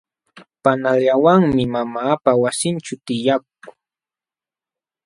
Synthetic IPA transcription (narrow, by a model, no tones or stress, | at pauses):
panaljawaŋmɪmamaːpawasɪnt͡ʃʊt̪ɪjak̚ʊχ